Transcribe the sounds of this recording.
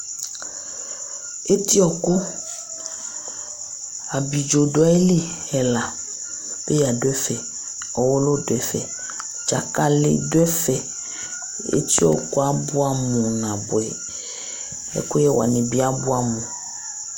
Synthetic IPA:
e˦t̪i˦ɔ˨kʊ˦ | a˨bi˨d͡ʒo˨ɖo˨˦ɛ˦li˦ | ɛ˨la˨ | pe˦ja˨dʊ˦ɛ˦fɛ˨ | ɔ˨wɔ˦lo˦dɛ˨fɛ̰˨ | d͡ʒa˨ka˦lɪ̰˦do˦ɛ˦fɛ˨ | ḛ˦t̪i˦ɔ̰˨ko˦a˦bʊ˦a˦mũ˨nã˨bo˨ɛ̰˨ | ɛ̰˦kʊ˦jɛ˦wa̰˨nẽ˨bi˦a˦bu˦a˨mũ˨

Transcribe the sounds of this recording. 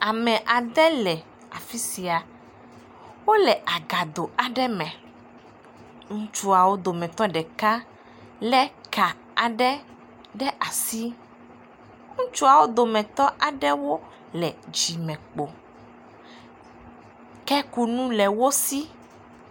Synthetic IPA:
a˨mɛ̃˨ʔa˨d̪ɛ˦lɛ˨ | a˨fi˦si˨a˨ | wo˦lɛ˨ʔa˨ɡa˨d̪o˨a˨ɖɛ˦mɛ̃˨ | ŋũ˦t͡ʃu˦a˨wo˦d̪o˨mɛ̃˨t̪ɔ˦ɖɛ˨ka˦ | lɛ˦ka˨ | a˨ɖɛ˦ | ɖɛ˦ʔa˨si˦ | ŋũ˦t͡ʃu˦a˨wo˦d̪o˨mɛ̃˨t̪ɔ˦ʔa˨ɖɛ˦wo˦ | lɛ˨d͡ʒi˨mɛ̃˨k͡po˨ | kɛ˦ku˦nũ˦lɛ˨wo˦si˦

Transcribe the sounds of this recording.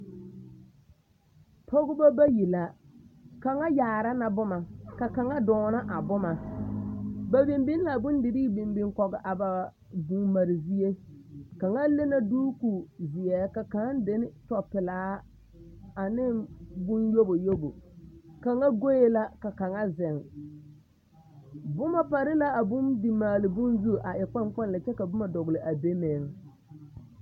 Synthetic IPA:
pʰo˦ɡʊ˦ba˦ba˦ji˨la˨ | ka˨ŋa˦jaː˨ɾa˦na˨bʊ˦ma˨ka˨ka˨ŋa˦dɔː˨na˦ʔa˨bʊ˦ma˨ | ba˨bi˨mbi˦n˦la˨bʊ˦n˦dɪ˨ɾiː˦bi˨mbi˨ŋkɔ˨ɡɪ˨ʔa˨ba˨ | bu˨ma˨ɾɪ˨zi˦e˦ka˨ŋa˦le˦na˦duː˦ku˨zɪ˨ɛ˨ka˨ka˨˦n˦dɪ˨˦nɪ˦tɔ˨pɪ˨laː˦ | a˨nɪ˦bʊ˦njo˦bo˨jo˦bo˨ka˨ŋa˦ɡo˦je˦la˦ka˨ka˨ŋa˦zɪ˨ŋ | bʊ˦ma˨pa˨ɾɪ˦la˦a˨bʊ˦mdi˨maː˨lɪ˨bʊ˦nzu˦˨ʔa˨ʔɛ˨k͡pa˦k͡pɔ˦nla˨t͡ʃɛ˦ka˨bʊ˦ma˨dɔ˨ɣlɪ˨ʔa˨be˦me˨ŋ

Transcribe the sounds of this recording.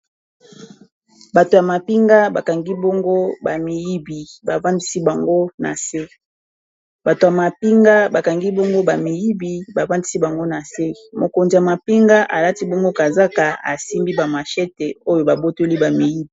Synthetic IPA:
ba˨to˨ja˨ma˨pi˦ŋɡa˦ba˨ka˨ŋɡi˦bɔ˦ŋɡo˦ba˨mi˨ji˦bi˨ba˨va˦ndi˦si˦ba˨ŋɡo˦na̰˨se˦ | ba˨to˨ja˨ma˨pi˦ŋɡa˦ba˨ka˨ŋɡi˦bɔ˦ŋɡo˦ba˨mi˨ji˦bi˨ba˨va˦ndi˦si˦ba˨ŋɡo˦na˨se˦mo˨ko˨nzi˨ja˨ma˨pi˦ŋɡa˦ʔa̰˨la˦ti˦bɔ˦ŋɡo˦ka˨za˦ka˨a̰˨si˦mbi˦ba˨ma˨ʃɛ˦te˨o˦jo˨ba˨bo˦to˦li˦ba˨mi˨ji˦bi˨

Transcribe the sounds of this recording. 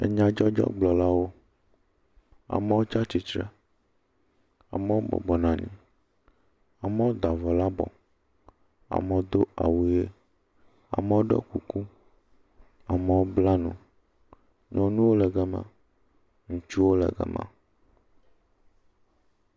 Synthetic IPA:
ḛ˨ɲã˨d͡ʒɔ˦d͡ʒɔ̰˦ɡ͡blɔ˨la˦wo˦ | a̰˨me˦wo˦t͡ʃa˦t͡ʃi˦t͡ʃɾɛ̰˦ | a̰˨me˦wo˦bɔ̰˨bɔ˨nã˨nḭ̃˨ | a˨me˦wo˦d̪a˨vɔ˨la˦bɔ̰˨ | a̰˨me˨o˦d̪o˦a̰˨wu˦je˦ | a̰˨me˦o˦ɖḛ˦ku˨ku˦ | a˨me˨wo˦bla˦nṵ̃˨ | ɲɔ̃˨nũ˦wo˦lɛ˨ɡɛ˦mã̰˦ | ŋũ˨t͡ʃu˦wo˦lɛ̰˨ɡɛ̰˦mã̰˦

